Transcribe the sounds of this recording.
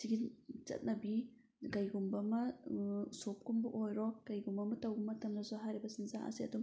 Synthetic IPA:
siɡit͡ʃɐ̰t̚nɐbi | ɡɐjɡumbɐmɐ | sop̚kumbuʔojɾɔkɐjɡumbɐmɐtɐwbɐmɐtʰɐmnɐzɔɦajɾibɐsinza̰ɐ̰siɐ̰dum

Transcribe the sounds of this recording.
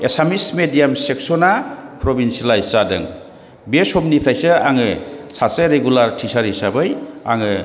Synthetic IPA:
esamismedijamsek̚sɔnapɾɔbinsalajsadɯ̰ŋ | besɔmnipʰajsɯaŋɯsaseɾeɡulaɾtʰisaɾisabɯja̰ŋɯ

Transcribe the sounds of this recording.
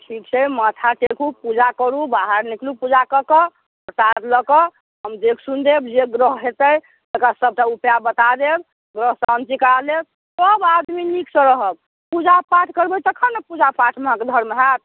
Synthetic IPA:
ʈʰik̚t͡ʃʰɛmat̪ʰaʈekʰupud͡ʒakəɾubaɦaɾniklupud͡ʒakəkə | ət̪at̪ləkɔ | ɦəmd̪ekʰsund̪ebd͡ʒeɡɾəɦɦet̪əj | t̪ekasəb̚ʈaupjabət̪ad̪eb | ɡɾəɦsant͡ʃikəɾaleb̚ | səbad̪miniksəɾəɦəb̚ | pud͡ʒapaʈʰkəɾbət̪əkʰənepud͡ʒapaʈʰmeɦãked̪ʱəɾmeɦat̪̚

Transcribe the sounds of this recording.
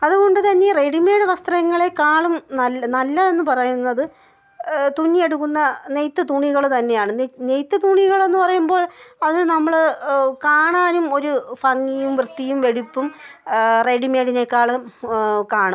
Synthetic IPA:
ɐðuɣo̞ɳɖɨt̪ɐnːe̞reɖime̞ːɽɨʋɐst̪rɐjɐŋːɐɭe̞kaːɭumnɐlnɐlːɐe̞nːɨpɐrɐjunːɐðɨ | t̪unːieɽukːunːɐne̞jt̪ːɨt̪uɳiɣɐɭt̪ɐnːe̞jaːɳɨnne̞jt̪ːɨt̪uɳiɣɐɭe̞nːɨpɐrɐjumbo̞ːɭɐðɨnɐmːɐɭkaːɳaːnumo̞ɾufɐŋːijumʋrɨt̪ːijumʋe̞ɽipːum | re̞ɖimeːɽine̞kːaːɭɨ | kaːɳum

